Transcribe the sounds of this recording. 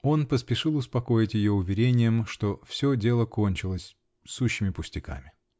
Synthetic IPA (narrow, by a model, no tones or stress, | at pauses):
o̞npəspʲɪʂɨlˠʊspɐko̞jɪtʲjɪjo̞ʊvʲɪɾʲenʲɪjəmʂt̪o̞fsʲɵdʲe̞lˠəko̞nʲt͡ɕɪlˠəsʲ | suɕːɪmʲɪpʊsʲtʲɪka̰mʲɪ